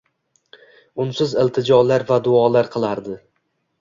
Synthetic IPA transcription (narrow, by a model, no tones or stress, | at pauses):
ʊnsɪzɪlˠt̪ʰɪd͡ʒɒlaɾvad̪ʊɒlaɾqʰɨlˠaɾd̪ɪ